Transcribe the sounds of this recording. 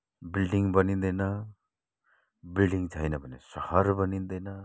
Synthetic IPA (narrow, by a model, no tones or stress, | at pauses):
bilɖiŋbʌnind̪ʌjnʌ | bilɖiŋt͡sʰʌjnʌbʱʌnesʌhʌɾbʌnind̪ʌjnʌ